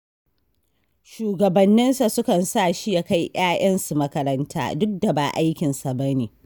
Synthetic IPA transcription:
ʃuː˨ɡɐ˨bɐ˨nːɪ˦nsa˨sʊ˦kɐ˨nsaː˦˨ʃi˦jaː˦ka˦jʔj̰aː˦jʔɐ˦nsu˨mɐ˦kɐ˦ɾɐ˦ntʰa̰ː˦dʊ˦k̚da˨ba̰ː˨ʔa˦jkʲɪ˨nsa˨bɐ˦neː˨

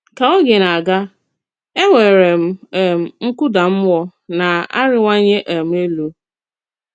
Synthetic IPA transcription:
ka˨o˦ɡe˨na˨a˨ɡa˦ | e˦ŋʷe˨ɾe˨m̩˨e˨m̩˨ŋ̩˦kʊ˦da˨m̩˦wɔ˦na˨a̰˦ɾɪ˦ŋʷa˦ɲe˦ʔa˨m̩˦e˦lo˦

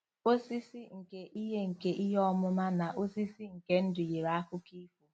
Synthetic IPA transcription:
o˦si˦si˦ŋ̩˨ke˦ʔi˦ɦe˦ŋ̩˨ke˦ʔi˦ɦɔ˦mʊ˦ma˦na˨ʔo˦si˦si˦ŋ̩˨ke˦n̩˦dʊ˨je˨ɾa˦a˦kʊ˦ki˦ku˨

